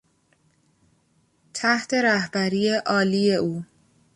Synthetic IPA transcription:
t̪ʰæht̪ʰe̞ɾæhbæɾiːjeʔɒːliːe̞ʔuː

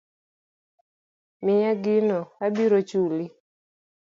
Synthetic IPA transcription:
mɪjaɡɪnɔabiɾot͡ʃuli

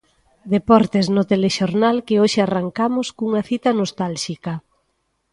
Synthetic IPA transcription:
d̪epɔɾt̪eznʊt̪eleʃoɾnalkɪoʃɪaraŋkamʊskuŋɐθit̪ɐnost̪alʃikɐ

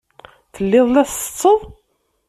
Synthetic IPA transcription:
θəlːɪðˤlæθsə̥t͡sːəðˤ

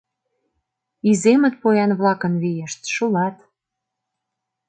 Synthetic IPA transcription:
izemə̆t̪̚pojɑnβlɑkə̆nβijeʃt̪ʃulɑt̪

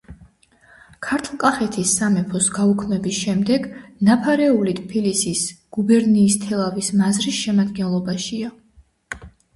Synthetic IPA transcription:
kʰaɾt̪ʰlˠkʼaχɛt̪ʰisːamɛpʰɔsɡaukʰmɛbisʃɛmd̪ɛɡnapʰaɾɛulit̪ʼʰpʰilisisɡ̥ubɛɾniːst̪ʰɛlˠavismazɾisʃɛmad̪ɡɛnlˠɔbaʃia

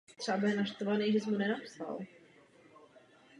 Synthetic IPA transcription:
t̪r̥abɛnaʃt̪ovanejʒɛs̬munɛnapsa̰l

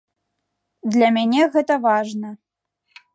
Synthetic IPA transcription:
d̪lʲɐmʲanʲɛɣɛt̪ɐvaʐnɐ

